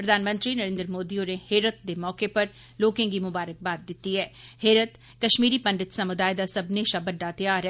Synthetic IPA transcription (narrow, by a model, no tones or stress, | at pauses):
pɾəd̪ʱaːnmə̃nt̪ɾiːnəɾẽːnd̪ɾəmoːd̪iõneːheːɾət̪̚d̪eːmɔːkepəɾ | loːkẽɡiːmʊbaːɾək̚baːd̪̚ːɪt̪ːiːɦɛːheːɾət̪ | kəʃmiːɾiːpəɳɖət̪samʊd̪aːɪd̪aːsəbneːʃabəɖːaːt̪ɪjaːɾ